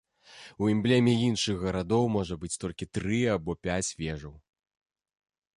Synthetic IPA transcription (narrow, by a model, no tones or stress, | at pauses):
uɛmblʲemʲɛinʂɨɣɣɐɾad̪ɔwmɔʐɐbɨt͡sʲt̪ɔlʲkʲit̪ɾɨabɔpʲat͡sʲvʲɛʐɐw